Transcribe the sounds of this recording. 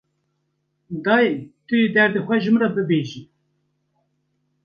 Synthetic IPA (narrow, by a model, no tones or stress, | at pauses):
d̪ɑet̪ɨjed̪ɛɾd̪ɨxʷɛʒɨmrɑbɨbeːʒi